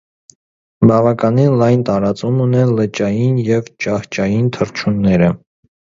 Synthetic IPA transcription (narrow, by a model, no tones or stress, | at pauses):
bɑvɑkɑninlɑjnt̪ɑɾɑt͡sumunɛlət͡ʃɑjinjɛvt͡ʃɑht͡ʃɑjint̪ʰəɾt͡ʃʰunːɛɾə